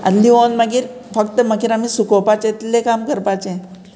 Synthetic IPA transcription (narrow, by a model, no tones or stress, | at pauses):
ə̰nlionməɡiːɾfək̚t̪əməɡiːɾamisukopat͡ɕẽt̪lekamkəɾpat͡ɕẽ